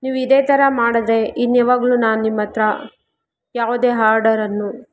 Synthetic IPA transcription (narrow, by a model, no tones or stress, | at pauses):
niːʋuid̪eːt̪ʰɐɾɐmaːɽɐd̪eʔinːɛʋaːɡɐɭunaːnunimːɐt̪ɾɐ | jaːʋud̪e̞ːɦaːɾɖɐɾɐnːu